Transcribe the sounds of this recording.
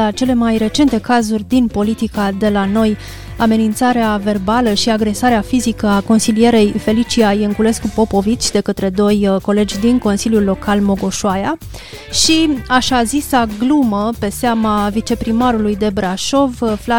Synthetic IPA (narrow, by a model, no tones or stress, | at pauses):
at͡ʃe̞le̞majre̞t͡ʃe̞nt̪e̞kazurʲd̪inpo̞lit̪ikad̪e̞lano̞j | ame̞nint̪saɾeave̞rbaləʃiaɡɾe̞saɾeafizikəako̞nsilije̞ɾe̞jfe̞lit͡ʃiajɨŋkule̞skupo̞po̞vit͡ʃʲd̪e̞kət̪ɾe̞d̪o̞jko̞le̞d͡ʒʲd̪iŋko̞nsiljulːo̞kalmo̞ɡo̞ʃuaja | ʃiaʃazisaɡluməpe̞seamavit͡ʃe̞pɾimaɾulujd̪e̞bɾaʃo̞vfla